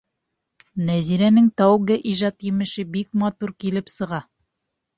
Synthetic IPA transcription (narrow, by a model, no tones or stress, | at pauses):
næziɾænɘŋt̪ɑwɡɘʔiʒɑt̪jɘ̆mɘ̆ʃɘbik̚mɑt̪uɾkilɘpsɤ̆ʁɑ